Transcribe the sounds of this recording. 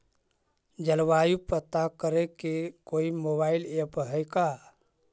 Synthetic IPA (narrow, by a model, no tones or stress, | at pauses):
d͡ʒəlwajupət̪akəɾekekoimobailepɦəjka